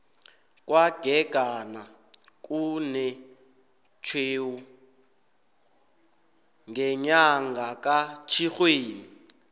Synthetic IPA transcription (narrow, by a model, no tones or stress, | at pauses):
kwaɡ̥ʱɛɡ̥ʱana | k̬ʼunɛ | t͡ʃʰweːwu | ŋɡɛɲaŋɡʱak̬ʼat͡ʃʰixweːni